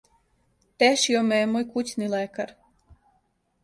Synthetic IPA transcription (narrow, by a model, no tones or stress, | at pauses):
t̪eʃiomejemoːjkut͡ɕnilekaɾ